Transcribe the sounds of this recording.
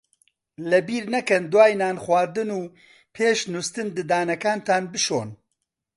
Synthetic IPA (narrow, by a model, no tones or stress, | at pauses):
lɐbiːɾnɐkɛnd̪waːjnaːnxwaːɾd̪ɨnuː | pʰeːʃnust̪ɨnd̪ɨd̪aːnɐkaːnt̪ʰaːnbɨʃo̰ːn